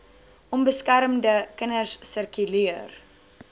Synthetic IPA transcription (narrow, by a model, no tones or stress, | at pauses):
ʔɔmbəskæɾəmdəkənərsːərkyliər